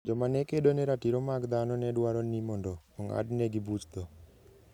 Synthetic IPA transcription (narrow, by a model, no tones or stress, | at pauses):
d͡ʒɔmanɛkedonɛɾatiɾomaɡd̪anɔnɛdwaɾɔnimɔndɔɔŋa̰dnɛɡibut͡ʃt̪ɔ